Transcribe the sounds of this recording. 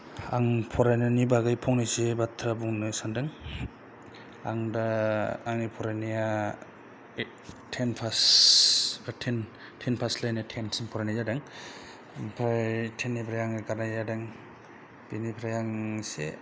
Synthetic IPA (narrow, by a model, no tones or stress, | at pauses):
aŋpʰɔɾajnanibaɡɯjpʰɔŋnasebatʰɾabuŋnɯsandɯŋ | aŋdaːŋnipʰɔɾajnija | tʰenpʰas | atʰen | tʰenpʰaslajnatʰensinpʰɔɾajnajadaŋ | ŋpʰɾajtʰenːipʰɾajaŋaɡaɾnajjadaŋ | binipʰɾajaŋsḛ